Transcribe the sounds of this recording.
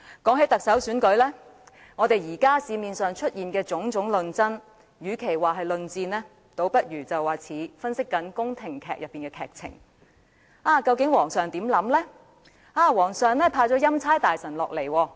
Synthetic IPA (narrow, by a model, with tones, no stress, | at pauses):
kɔː˨˥ŋɦe˨˥jt̪ɐ˨k̚sɐ˨˥wsyː˨˥nkɵ˨˥ɥlɛː˥ | ŋɔː˨˧t̪e˨jiː˨˩kaː˥siː˨˧miː˨nsœː˨ŋt͡ʃʰɵ˥t̚jiː˨nkɛː˧t͡sʊ˨˥ŋt͡ʃʊ˨˥ŋlɵ˨˧nt͡sɐ˥n | jyː˨˧kʰe˨˩jwaː˨˩ɦɐ˨jlɵ˨˧nt͡siː˧nlɛː˥ | t̪o˨˥wpɐ˥t̚jyː˨˩t͡sɐ˨waː˨t͡sʰiː˨˥fɐ˥nsɪ˥kːɐ˨˥nkʊ˥ŋt̪ʰɪ˨˩ŋkʰɛ̰ː˨k̚jɐ˨pːiː˨˩ŋkɛː˧kʰɛː˨k̚t͡sʰɪ̰˨˩ŋ | aː˧˩kɐ˧wkɪ˨˥ŋwɔː˨˩ŋsœː˨˩ŋt̪iː˨˥mlɐ˨˥mlɛː˥ | aː˨˧wɔː˨˩ŋsœː˨ŋlɛː˥pʰaː˧t͡sɔː˨˥jɐ˥mt͡sʰaː˥jt̪aː˨jsɐ˨˩nlɔː˨k̚le˨˩jwɔː˧